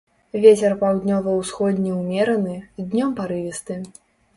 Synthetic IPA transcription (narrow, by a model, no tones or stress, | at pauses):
vʲet͡sʲɛrpawd̪ʲnʲɔvɐwsxɔd̪ʲnʲiwmʲɛɾɐnɨzʲd̪ʲnʲɔmpaɾɨvʲist̪ɨ